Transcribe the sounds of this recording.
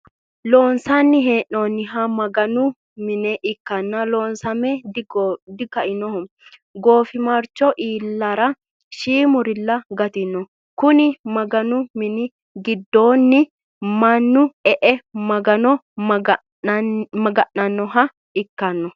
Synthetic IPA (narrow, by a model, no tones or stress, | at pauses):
loːnsɐnːɪɦeːʔoːnːɪɦɐmɐɡɐnʊ | mɪnɛʔɪkːɐnːɐloːnsɐmɛdd̪ɪkɐʔɪnɔhɔ | ɡo̞ːfɪmɐɾt͡ʃːɔʔiːlːɐɾɐ | ʃiːmʊɾɪlːɐɡɐt̪ɪnɔ | kʊnɪmɐɡɐnʊmɪnɪ | ɡɪd̪ːo̞ːnːɪ | mɐnːʊɛʔɛmɐɡɐnɔ | mɐɡɐʔɐnːɔɦɐ | ɪkːɐnːɔ